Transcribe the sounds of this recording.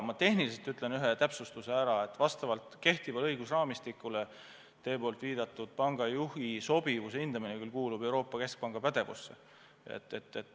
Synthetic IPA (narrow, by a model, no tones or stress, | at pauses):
mɑt̪e̞hniliset̪yt̪ːˑle̞nyɦet̪æpsust̪use̞æɾɑe̞t̪ːˑvɑst̪ɑvɑlt̪ke̞ht̪ivɑlɤjɡ̥usrɑːmist̪ikːule | t̪e̞ːpo̞ːlt̪viːd̪̥ɑt̪ːˑud̪̥̚pɑŋɡ̥ɑjuhiso̞b̥ivuseind̪̥ɑminekylkuːlub̥e̞wɾo̞ːpːˑɑke̞sk̚pɑŋɡ̥ɑpæd̪̥e̞vṵsːe̞̰ | ḛt̪ːe̞̰t̪ːet̪ː